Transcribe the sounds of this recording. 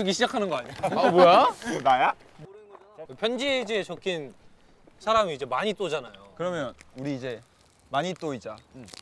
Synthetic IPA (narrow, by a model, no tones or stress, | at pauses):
ɯɡiɕʰid͡ʑakʰanɯnɡʌaɲbwojaonaja | pʰjʌnd͡ʑiɦed͡ʑiet͡ɕʌkʰin | sʰaɾamiːd͡ʑe̞maɲit͈od͡ʑanajokɯɾʌmjʌnuɾiːd͡ʑe̞ | maɲit͈oid͡ʑa